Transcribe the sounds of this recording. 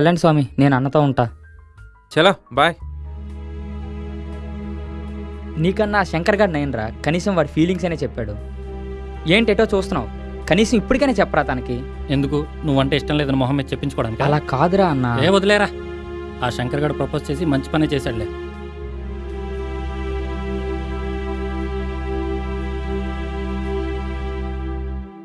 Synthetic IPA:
sɐleɳɖsʋaːmine̞ːnɐnːɐt̪oːuɳʈaː | t͡ʃɛlɐbaːj | niːkɐnːaːʃɛŋkɐɾɡaːɖnɐjɐnɾa̰ːkɐniːsɐmʋaːɽipʰiːliŋsɐneːt͡ʃɛpːaːɽu | eːɳʈeʈoːt͡ʃuːst̪unːaːwu | kɐniːsɐmipːuɽikeneːt͡ʃɛpːɐɽaːt̪anɐki | e̞nd̪uku | nuʋːɐɳʈe̞ːiʂʈɐmleːd̪ɐnimɔɦɐmːed̪t͡ʃepːiɲt͡ʃukɔːɽɐmikɐlaːkaːd̪uɾaːɐnːaːeːʋod̪ɐlɛːjɾaː | aːʃɐŋkɐɾɡaːɽupɾɐpoːst͡ʃe̞ːs̬imɐɲt͡ʃi̥pɐnit͡ʃɛːsaːɽleː

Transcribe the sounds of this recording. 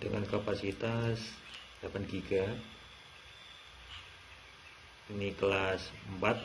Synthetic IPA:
dəŋa̰nkapasit̪as | lapankiɡa | inikəlasmpat̪̚

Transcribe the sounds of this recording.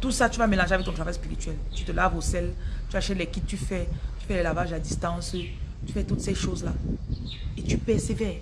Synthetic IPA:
t̪usat̪yvamelɑ̃ʒeavɛk̚t̪ɔ̃t̪ʰavajspiʁit̪ɥɛlt̪yt̪əlavosɛlt̪yaʃɛt̪lɛkit̚t̪yfɛt̪y̥fɛlɛlavaʒad̪ist̪ɑ̃st̪y̥fɛt̪ut̪sɛʃozla | et̪ypɛʁsevɛʁ

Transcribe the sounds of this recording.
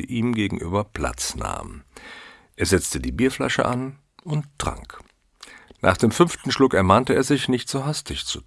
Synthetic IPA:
ḭʔiːmɡeːɡŋ̩ʔyːbɐpl̥a̰t͡sna̰ːm | ʔeːɐzɛt͡stədiːbiːɐfla̰ʃə̰ʔa̰n | ʊnttʁ̥a̰ŋk | na̰ːχd̥eːmfʏnftn̩ʃlʊkɛɐmaːntəeːɐzɪçnɪçtz̥oːɦastɪçt͡su

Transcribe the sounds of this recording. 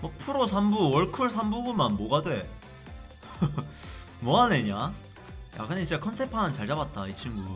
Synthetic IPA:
mʌk̚pʰuɾosʰambuʌɭkʰɯɭs̬ʰambubumanmʌɡadwe | mwʌaneɲa | ja̰kɯnet͡ɕit͡ɕakʰʌnsʰe̞pʰant͡ɕaɭd͡ʑabat̚t͈ait͡ɕʰimɡu

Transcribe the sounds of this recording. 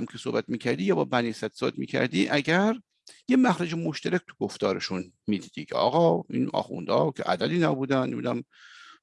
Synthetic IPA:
mkʰesohbæt̪miːcʰæɾd̪iːjɒːbɒːbæniːsæt̪sobæt̪mḭːkcʰæ̰ɾd̪iːʔæɡæɾ | jemæxɾæd͡ʒemoʃt̪æɾæk̚t̪ʰuɡoft̪ɒ̰ːɾeʃunmiːd̪iːd̪̥iːkʰeɒ̰ːɣɒḭnɒ̰ːxṵnd̪ɒːkʲʰeʔæ̰d̪æd̪iːnæbuːd̪ænebud̪æm

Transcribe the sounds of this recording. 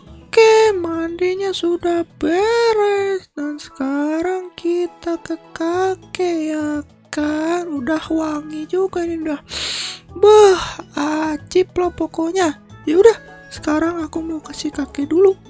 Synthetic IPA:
okemandiɲasudahb̥eɾɛsdansə̥kaɾaŋkit̪akəkakeja | kanudahwaŋid͡ʒuɡainiudah | bəhat͡ʃiplopokoɲajaudahsə̥kaɾaŋakumokasikakɛdulu

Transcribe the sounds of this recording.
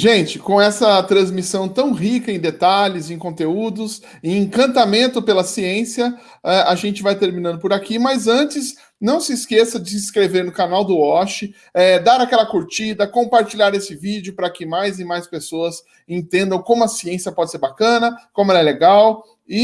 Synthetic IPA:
ʒẽt͡ʃɪkõɛsɐt̪ɾɐ̃zmisɐ̃w̃t̪ɐ̃w̃ɦikɐẽj̃d̪et̪aʎɪzẽj̃kõnt̪eud̪ʊs | ẽẽkɐ̃nt̪amẽnt̪ʊpelɐsiẽsiɐ | ɛʔaʒẽnt͡ʃɪvajt̪eɾminɐ̃nd̪ʊpʊɾakimɐzɐ̃nt͡ʃɪs | nɐ̃w̃sɪːskesɐd͡ʒɪsĩskɾeveɾnʊkanawd̪ʊɔʃɪ | ɛd̪aɾakɛlɐkoɾt͡ʃid̪ɐkõpaɾt͡ʃiʎaɾesɪvid͡ʒʊpɾɐkɪmajzɪmajspesoɐz | ẽnt̪ẽnd̪ɐ̃w̃kõmʊɐsiẽsiɐpɔd͡ʒɪseɾbakɐ̃nɐkõmʊɛlɛleɡaw | ɪ

